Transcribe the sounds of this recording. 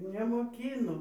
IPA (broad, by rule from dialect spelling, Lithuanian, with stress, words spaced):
nʲɛmoːˈkʲiːnoː